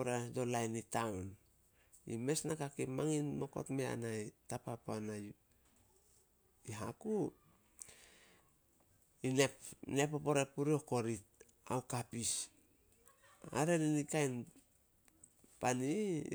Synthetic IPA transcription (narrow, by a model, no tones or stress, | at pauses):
oɾedo̞lajnitawn | ḭme̞snakakimaŋinmo̞ko̞̰tmea̰najtapapoanaj | iɦaku | inene̞popo̞ɾepuɾio̞ko̞ɾit̚ | a̰wkapis | a̰ɾe̞ninikajn | pani